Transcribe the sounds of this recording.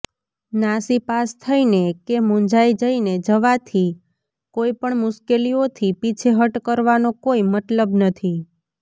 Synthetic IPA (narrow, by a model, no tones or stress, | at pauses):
nasipast̪ʰəinekemũnd͡ʒaid͡ʒəined͡ʒəʋat̪ʰi | koipəɳmʊʃkeliot̪ʰipit͡ʃʰeɦəʈkəɾʋanokoimət̪ləbnət̪ʰi